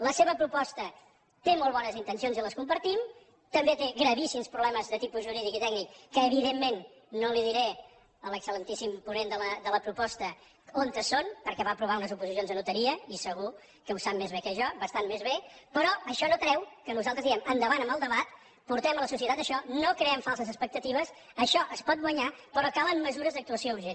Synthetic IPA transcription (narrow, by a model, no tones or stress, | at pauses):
ləseβəpɾupɔst̪ə | t̪emolˠβɔnəzint̪ənsionziləskumpəɾt̪im | t̪əmbet̪eɣɾəβisimspɾuβlɛməzðət̪ipuzʒuɾiðikit̪ɛɡ̚nikːəːβ̞iðemːenː | oliðiɾe | ələksələnt̪isimpunend̪ələd̪ələpɾupɔst̪ə | ont̪əsonpəɾkɛβaəpɾuβ̞aunəzupuzis̬jonzðənut̪əɾiəisəɣu | kəwsap̚mezβekəʒɔbəst̪anmezβepəɾɔəʃɔnok̪ɾɛwkənuzalˠt̪ɾəzðiɛmənd̪əβanəməlˠd̪əβat̪ | puɾt̪ɛmələsusiət̪at̪əʃɔnokɾeɛmfalˠsəzəspək̚t̪ət̪iβəs | əʃɔʔəspɔt̪̚ɡwəɲapəɾɔkalˠəmməzuɾəzðəkt̪uəsiouɾʒen